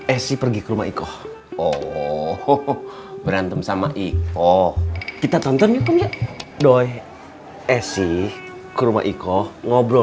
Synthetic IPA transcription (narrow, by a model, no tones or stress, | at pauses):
ɛsipərɡikəɾuma̰ʔikɔh | ɔ | bəɾant̪əmsamaʔikɔkit̪at̪ɔnt̪ɔnukəmd͡ʒadoɛ | ɛsi | kəɾuma̰ʔikɔŋɔbɾɔ